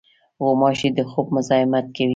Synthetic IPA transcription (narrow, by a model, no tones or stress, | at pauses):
womɑʃid̪əxob̚mʊzɑɪmat̪̚kawi